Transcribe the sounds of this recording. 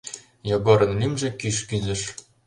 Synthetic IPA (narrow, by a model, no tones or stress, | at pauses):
joɡɤɾɤ̆nlimʒĕkiʃkyzɘ̆ʃ